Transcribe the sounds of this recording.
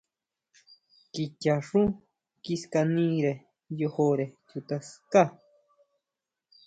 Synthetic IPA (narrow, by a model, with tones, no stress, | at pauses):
ki˧ca˨ʂũ˦ | kiska˧nĩ˦ɾe˨ | jo˧ho˧ɾe˨t͡ʃut̪a˧ska˦